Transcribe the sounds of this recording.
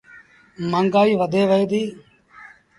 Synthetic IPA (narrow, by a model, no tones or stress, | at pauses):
məŋɡaːiːʋəd̪eːʋəeːd̪iː